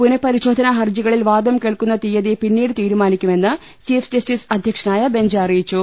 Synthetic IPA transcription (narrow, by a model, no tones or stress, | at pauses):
punɐpːɐɾiɕo̞ːd̪ʱɐnɐɦɐrd͡ʑiɣɐɭilʋaːd̪ɐmkeːɭkunːɐt̪ijɐðepinːiːɽɨt̪iːɾumaːnikʲːume̞nːɨ | t͡ɕiːfd͡ʑɐstisɐd̪ʱjɐkʂɐnaːjɐbe̞ɲd͡ʑɐrijit͡ɕːu